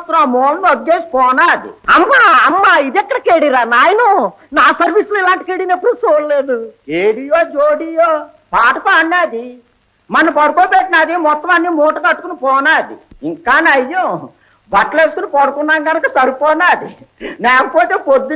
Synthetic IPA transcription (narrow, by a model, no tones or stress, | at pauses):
t̪ːɾamɔːlnɐd̪ɡeːsi̥pɔːnaːd̪ḭɐmːaːɐmːaːid̪ɛkːɐɽɐkeːɽiɾaːnaːjɐnɐ | naːsɐɾʋisuluilaːɳʈi̥keɽinɐpːuɽusoːlleːd̪ukeːɽijoːd͡ʒoːɽijoː | paːʈɐpaːɳːaːd̪i | mɐnːɐpɐɽukoːbeʈːinaːd̪imɔt̪ːɐmɐnːiːmɔːʈɐkɐʈːukunipɔːnaːd̪ḭiŋkaːnɐjːo | bɐʈːleːsu̥kunipɔɽɐkunːaːŋɡɐnɐkɐsɐɾupɔːnaːd̪inɛːkɐpoːt̪eːpod̪ːi